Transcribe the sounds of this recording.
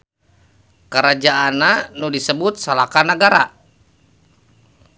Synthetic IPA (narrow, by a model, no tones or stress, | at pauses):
kəɾad͡ʒaananudisəbut̪̚salakanəɡaɾa